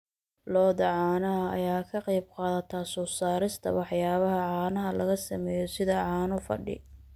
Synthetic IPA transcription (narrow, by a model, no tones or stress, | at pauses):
lɔːðɐʕɑːnɐɦɐɐ̰jaːkʰɐqɑjbqɑːðɐt̪ʰɐsɔːsaːɾɪst̪ʰɐ̰wɑħjaːβɐɦɐʕaːnɐɦɐlɐɣɐsɐmɛːjɔsɪðɐʕɑːnʊfɐ̰ɖɪ̰